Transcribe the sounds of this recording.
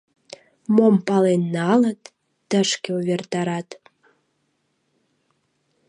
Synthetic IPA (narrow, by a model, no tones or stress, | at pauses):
mompɑlenːɑlət̪ | d̪̥əʃkʲeovʲert̪ɑɾɑt̪